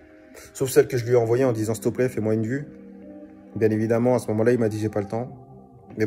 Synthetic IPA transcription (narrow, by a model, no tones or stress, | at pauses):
sofsɛlkəʒəlɥeɑ̃vwajeɑ̃d̪izɑ̃st̪ɔplɛfɛmwaynvy | bjɛ̃nevid̪amɑ̃asəmɔmɑ̃lailmad̪iʒepalət̪ɑ̃ | mɛ